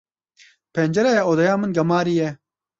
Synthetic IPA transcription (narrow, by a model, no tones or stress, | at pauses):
peːnd͡ʒɐɾɐoːd̪ɐjaːmɨnɡɐmaːɾijɛ